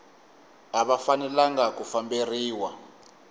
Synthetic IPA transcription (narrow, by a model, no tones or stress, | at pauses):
aɓafanɛlaŋɡak̬ʼufamberiːwa